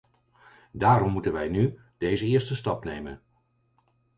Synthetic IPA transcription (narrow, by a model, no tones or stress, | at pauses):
daːɾɔmːutənʋɛjny | d̥ejzəɪːɹstəstɑpnejmə̰n